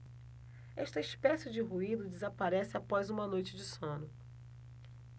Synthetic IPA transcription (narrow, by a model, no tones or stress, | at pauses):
ɛʃt̪ɐispɛsɪd͡ʒɪɦuid̪ʊd͡ʒɪzapaɾɛsɪapɔzũmɐnojt͡ʃɪd͡ʒɪsõnʊ